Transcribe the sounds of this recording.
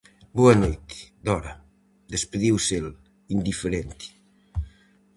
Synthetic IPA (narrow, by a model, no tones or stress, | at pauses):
buɐnojt̪i̥d̪ɔɾɐ | d̪espeðiwsel | ind̪ifeɾent̪i̥